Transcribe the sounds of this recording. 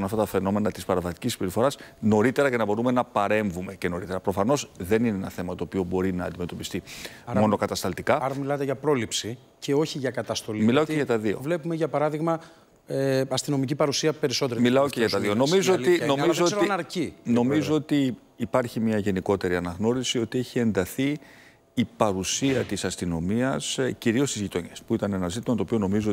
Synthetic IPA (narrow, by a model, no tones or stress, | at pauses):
nɐft̪ɐt̪ɐfe̞no̞me̞nɐt̪ispɐɾɐvɐt̪i̥cisi̥peɾifoɾɐsno̞ɾit̪e̞ɾɐce̞nɐbo̞ɾume̞nɐpɐɾe̞ɱvume̞ce̞no̞ɾit̪e̞ɾɐpɾo̞fɐno̞sðe̞nineenɐθe̞mɐt̪oːpio̞bo̞ɾinɐ̰ːnd̪ime̞t̪o̞pist̪imo̞no̞kɐt̪ɐst̪ɐlt̪ikɐɐɾɐmilɐt̪eʝɐpɾo̞lipsi | ce̞o̞çiʝɐkɐt̪ɐst̪o̞limilɐoeʝɐt̪ɐðio̞̰vlepumeʝɐpɐɾɐðiɣmɐ | eɐst̪ino̞micipɐɾusiɐpe̞ɾiso̞t̪eɾmilɐoeʝɐt̪ɐððiono̞mizoolinoizotnɐɾcino̞mizoot̪iː | pɐɾçimɲɐʝe̞niko̞t̪e̞ɾiɐnɐɣno̞ɾisio̞t̪ie̞çie̞nd̪ɐθiː | pɐɾusiɐt̪isɐst̪ino̞miɐsciɾio̞st̪izʝit̪o̞ɲespuit̪ɐne̞nɐzit̪imɐt̪opio̞no̞mizuo